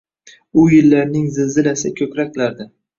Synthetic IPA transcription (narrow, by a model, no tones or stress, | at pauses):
ʊjɪlːaɾnɪŋzɪzɪlasɪkʲʰɵkʲɾakʲlaɾd̪ɪ